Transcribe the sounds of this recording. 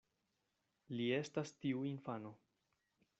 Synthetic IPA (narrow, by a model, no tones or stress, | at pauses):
lie̞stastiuinfano̞